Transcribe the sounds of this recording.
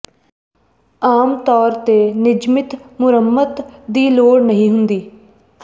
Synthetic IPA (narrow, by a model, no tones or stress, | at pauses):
aːmt̪ɔːɾt̪eːnɪd͡ʒmɪt̪mʊɾəmːət̪d̪iːloːɽnəɦĩːɦʊnd̪iː